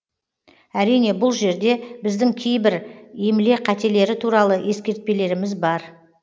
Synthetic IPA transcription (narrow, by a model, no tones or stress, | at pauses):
æɾijne̞bʊlˠʒe̞ɾd̪e̞bɪzd̪ɪŋkʲʰe̞jbɪɾemɪle̞qʰæt̪e̞le̞ɾɪt̪ʰuɾɑlˠəʔje̞skʲe̞ɾt̪̚pe̞le̞ɾɪmɪzbɑɾ